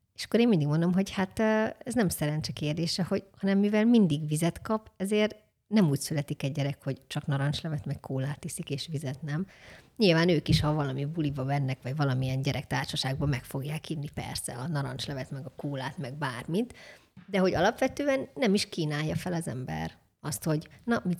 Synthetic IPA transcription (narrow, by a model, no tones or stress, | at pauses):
eːʃɒ̥kːoɾeːnmind̪iɡmo̞nd̪o̞mɦo̞ɟhat̪ːɛznɛmsɛɾɛɲt͡ʃɛkeːrd̪eːʃɛho̞ɟhɒnɛmːivɛlmind̪iɡʋizɛt̪kɒpɛzeːr | nɛmuːcsylɛt̪ikɛɟːɛɾɛkho̞ɟt͡ʃɒknɒɾɒnt͡ʃlɛvɛt̪mɛkkʰoːlaːt̪ːisikeːʃʋizɛt̪nɛmɲilvaːnøːkiʃhɒvɒlɒmibulibɒbɛnːɛkʋɒɟvɒlɒmijɛɲɟɛɾʔɛk̚t̪aːrʃɒʃaːɡ̚bɒmɛkfo̞ɡjaːkinnːipɛ̰rsɛ̰ɒnɒɾɒ̰nt͡ʃlɛvɛt̪mɛɡɒkoːlaːt̪mɛɡ̚baːrmit̪ | d̪ɛɦo̞ɟɒlɒpʋɛt̪øːɛnːɛmiʃkiːnaːjːɒfɛlɒzɛ̰mbɛ̰r | ɒst̪ho̞ɟnɒmi